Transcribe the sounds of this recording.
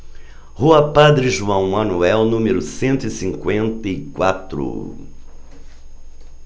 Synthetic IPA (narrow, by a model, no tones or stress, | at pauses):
huɐpad̪ɾɪʒuɐ̃w̃mɐnuɛwnũmɪɾʊsẽnt̪ʊisĩŋkwẽnt̪ɐikwat̪ɾʊ̰